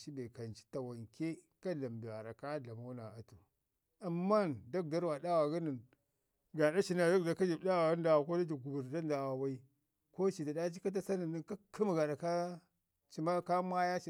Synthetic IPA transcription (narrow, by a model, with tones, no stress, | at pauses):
ʃi˦be˨ka˨nt͡ʃi̥˦ta˨wa˨ŋkʲe˦ | ka˦ɮa˨mbi˨a˨ɾa˨ka˦ɮa˨ma˦na˨a˨tu˨ | a˨mːa˦˨nda˦k̚da˦ɾwa˨da˦wa˨ɡa˦nə˨n | ɡa˨da˦ʃi˨na˨da˦kda˨ka˦d͡ʒi˨bda˦wa˨ɡa˦n˦da˨wa˨ko˦da˦d͡ʒi˨ɡu˨bu˨ɾda˦n˦da˨wa˨wa˦i˦ | ko˦t͡ʃi˨da˨da˦t͡ʃi˦ka˦t̬a˦sa˦nə˨nːə˦˨ka˦ki˦m˨ɡa˨ɾa˨ka˦ | t͡ʃi˨ma˦ka˦mʷ˦a˦ja˦t͡ʃi˨